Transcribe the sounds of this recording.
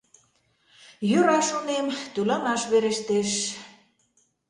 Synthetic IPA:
jøɾɑʃonemt̪ylɑnɑʃβeɾeʃt̪eʃ

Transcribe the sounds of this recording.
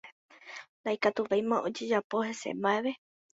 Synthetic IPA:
d̪ajkat̪uʋejmãʔod͡ʒed͡ʒapo̞he̞sḛmbaeʋe̞

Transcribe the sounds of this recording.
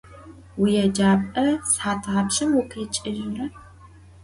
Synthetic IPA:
wijɛd͡ʒaːpʼɐsħaːtʰʁɐpɕɐmwʊkʰit͡ʃʼɪʒɪrɐ

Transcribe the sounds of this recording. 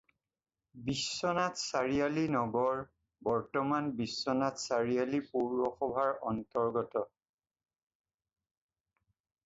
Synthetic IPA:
bisːɔnatsaɹijalinɔɡɔɹ | bɔɹtɔmanbisːɔnatsaɹijalipuɹːɔxɔbʱaɹɔntɔɹɡɔtɔ

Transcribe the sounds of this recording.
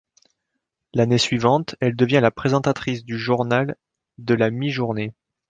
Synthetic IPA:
lanesɥivɑ̃t̪ɛld̪əvjɛ̃lapχezɑ̃t̪at̪χis̬d̪yʒuʁnal | d̪əlamiʒuʁne

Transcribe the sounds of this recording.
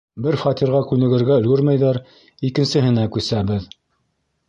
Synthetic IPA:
bɘɾfɑt̪iɾʁɑkʉnɘ̆ɡɘ̆ɾɡæɵ̆lɡɵɾmæjðæɾ | ikɘ̆nsɘ̆ɦɘ̆nækʉsæbɘð

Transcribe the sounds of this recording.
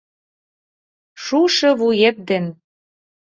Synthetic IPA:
ʃuʃɤ̆βujep̪̚d̪en

